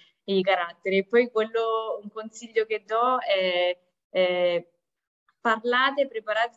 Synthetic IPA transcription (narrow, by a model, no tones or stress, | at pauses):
ik̬aɾat̪ːeɾeːpːɔjkwelːouŋkonsiʎːoked̪ːɔɛ | pːarlaːt̪epɾepaɾaːt̪